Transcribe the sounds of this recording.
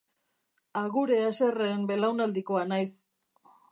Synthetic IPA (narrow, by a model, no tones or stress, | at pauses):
aɣuɾe̞ase̞reːmbe̞lawnald̪iko̞anajs